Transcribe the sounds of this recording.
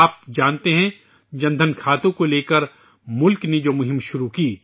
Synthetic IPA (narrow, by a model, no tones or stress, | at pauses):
aːp̚d͡ʒaːnt̪eɦɛ̃ | d͡ʒɐ̃nd̪ʱənkʰaːt̪õkoleːkəɾ | mʊlkned͡ʒoːmʊɦɪ̃mʃʊɾukiː